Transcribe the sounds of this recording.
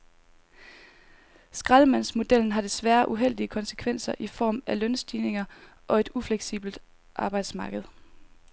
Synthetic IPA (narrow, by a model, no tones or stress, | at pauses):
sɡ̥ʁaðˠəmæn̰smo̝d̥el̰n̩ɦɑ̈d̥e̝sʋæːɐʔuɦel̰d̥iəkʰɒ̽nsə̥kʰʋen̰sɐʔifɒ̰ːmælœnsd̥iːne̝ŋɐ | ʔɒ̽e̝d̥ufleɡ̥sḭːb̥l̩d̥ | ʔɑ̈ːb̥ɑ̈ɪd̥smɑ̈ːɡ̥əð̞ˠ